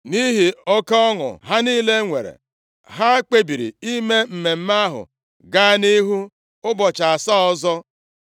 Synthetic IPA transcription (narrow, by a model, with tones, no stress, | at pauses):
ni˦ɦi˨ɔ˦ka˦ɔ˦ŋʊ̰˨ɦa˦ni˦le˦ŋʷe˨ɾḛ˨ | ɦa˦k͡pe˦bi˨ɾḭ˨i˦me˦m̩˨me˨m̩˦ma˦ɦʊ̰˨ | ɡa˦ni˦ɦu˦ | ʊ˦bɔ˨t͡ʃa˨a˨sɔ˦ɔ˦zɔ˦